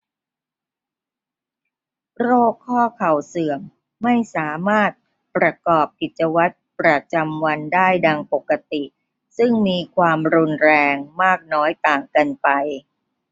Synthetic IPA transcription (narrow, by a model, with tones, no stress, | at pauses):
ɾoː˥˩kʰːɔː˥˩kʰa˨˩wsɯ˨˩əmː | a˥˩jsaː˩˦maː˥˩t̪̚ | pɾa˧kɔː˨˩p̚ki˨˩t̪̚t͡ɕa˧wa˦˥t̪̚pɾa˧t͡ɕa˧mwa˧ndaː˥˩jda˧ŋpo˨˩kːa˧t̪i˨˩ | sɯ˥˩ŋmiː˧kʰwaː˧mɾu˧nɾɛː˧ŋmaː˥˩k̚nɔː˦˥jt̪aː˨˩ŋka˧npa˧j